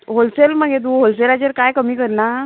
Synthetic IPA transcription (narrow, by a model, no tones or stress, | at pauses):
ɦolselmaɡet̪̬uːɦolselat͡ɕeɾkajkəmiːkəɾna